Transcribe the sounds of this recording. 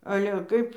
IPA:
ɐlʲɛ ˈkɐɪp

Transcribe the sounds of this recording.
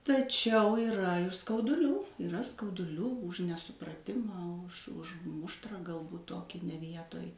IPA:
tɐˈt͡ʃʲɛʊ iːˈrɐ ɪr skɐʊdʊˈlʲuː iːˈrɐ skɐʊdʊˈlʲuː ʊʃ nʲɛsʊprɐˈtʲɪmɑː ʊʃ ˈʊʃ ˈmʊʃtrɑː ɡɐlˠˈbuːt ˈtoːkʲɪ nʲɛ ˈʋʲiɛtoːj

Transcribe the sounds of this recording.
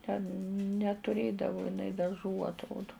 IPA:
tʲɛn nʲɛtʊˈrʲeːdɐʋʊ ɪˈnɐɪ dɐˈʒuː ɐtˈroːdʊ

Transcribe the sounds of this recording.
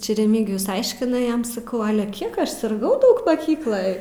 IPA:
ˈt͡ʃʲɛ rʲɛˈmʲiːɡʲɪjʊs ˈɐɪʃʲkʲɪnɐ ˈjɛm sɐˈkɐʊ ˈɑːlʲɛ ˈkʲiɛk ɐʃ sʲɪrˈɡɐʊ ˈdɐʊk mɐˈkʲiːklˠoːj

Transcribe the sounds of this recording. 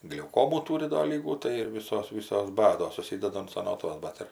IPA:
ɡlʲɛʊˈkoːmuː ˈtuːrʲɪ doː ˈlʲiːɡuː tɐɪ ɪr ˈʋʲiːsoːs ˈʋʲiːsoːs ˈbɑːdoːs sʊˈsʲiːdɐdɐ ɐn sɐˈnoːtʋɐs ˈbɐt ɪr

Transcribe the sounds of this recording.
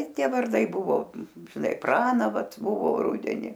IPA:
ˈtʲiɛ ʋɐrˈdɐɪ ˈbʊʋoː ʒʲɪˈnɐɪ ˈprɑːnɑː ˈʋɐt ˈbʊʋoː ˈrʊdʲɛnʲɪ

